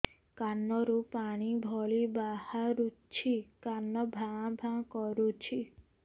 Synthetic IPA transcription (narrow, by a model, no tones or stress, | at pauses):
kanːɔɾupaɽ̃ibʱɔɭibahaɾut͡ʃʰikanːɔbʱãbʱãkɔɾut͡ʃʰi